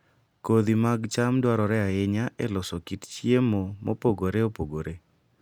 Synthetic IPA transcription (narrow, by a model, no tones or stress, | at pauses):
kod̪imaɡt͡ʃamdwaɾɔɾɛaɪɲaʔɛlɔsɔkitt͡ʃjemomo̰poɡoɾeopoɡoɾe